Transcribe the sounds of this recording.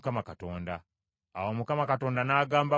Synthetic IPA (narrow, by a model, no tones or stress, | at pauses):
kamakato̞ːndaː | womukamakato̞ːndanaːɡaːmba